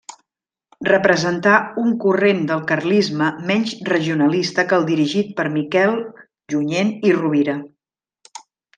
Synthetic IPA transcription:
rəpɾəzənt̪auŋkurend̪əlˠkərlizməmɛɲzrəʒiunəlist̪əkəlˠd̪iɾiʒit̪̚pəɾmikɛlˠ | ʒuɲeniruβiɾə

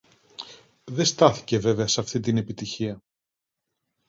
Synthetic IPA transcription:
ðe̞st̪ɐθi̥ce̞ve̞veɐsɐft̪int̪ine̞pit̪içiɐ

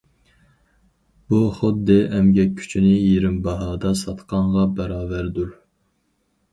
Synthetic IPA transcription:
b̥uχʊd̪ːɨʔɛmɡʲɛkʲʰːy̥t͡ʃʰinɪjeɾɪmbɑɦɑːd̪ɑsɑt̪qɑɴʁɑbɛɾɑːvæɾd̪uɾ

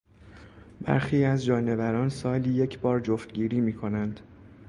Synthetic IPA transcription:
bæ̰ɾxiːæzd͡ʒɒːne̞væɾɒːnsɒːlijecʰbɒːɾd͡ʒoft̪ɟiːɾiːmiːkʰo̞nænd̪̥

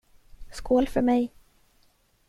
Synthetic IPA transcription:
skoːlfœɾmɛj

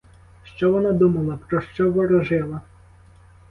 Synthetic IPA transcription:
ʃt͡ʃɔʋɔnad̪umɐlˠɐpɾɔʃt͡ʃɔʋɔɾɔʒɪlˠɐ

